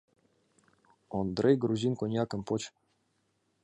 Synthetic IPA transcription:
ond̪ɾejɡɾuzʲinkonʲjakə̆npot͡ɕ

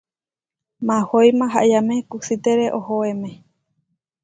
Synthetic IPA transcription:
mãhojmãɦaʔiamẽkusit̪eɾeʔohoemẽ

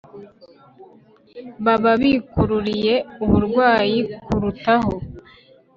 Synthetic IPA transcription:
βaβaβikuɾuɾije̞uβuɾɡwaːjikuɾutaɦo

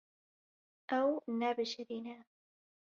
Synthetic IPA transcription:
ʔawnːaːbɪʃaɾina

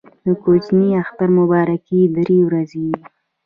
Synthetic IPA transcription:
d̪̥əkot͡ʃniaxt̪aɾmʊbɑɾakid̪ɾewɾaze

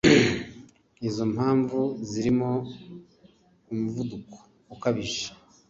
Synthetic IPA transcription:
izo̞m̥haːɱvuziɾimo̞ | umuvuduko̥ | ukaβiʒe̥

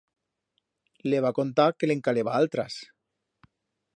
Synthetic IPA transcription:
leβ̞ako̞nt̪akeleŋkaleβaalt̪ɾa̰s

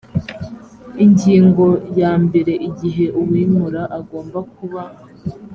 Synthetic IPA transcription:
iɲɟiːŋɡo̞jaːmbe̞ɾe̞ʔiɟiɦe̞ʔuwiːmuɾaʔaɡo̞ːmbak̚uβa

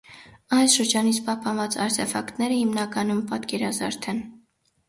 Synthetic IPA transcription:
ɑjsʃəɾd͡ʒɑnit͡sʰpɑhpɑnvɑt͡sɑ̰ɾt̪ʰɛfɑkt̪nɛɾəhimnɑkɑnumpɑt̪kɛɾɑzɑɾt̪ʰɛn

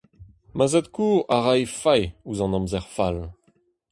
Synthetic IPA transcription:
mazɛt̪kuaʁajfajuzɑ̃nɔ̃mzɛʁfal

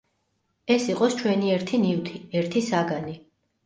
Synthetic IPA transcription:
ɛsiqʼɔst͡ʃʰwɛniɛɾt̪ʰiniwt̪ʰiɛɾt̪ʰisaɡani

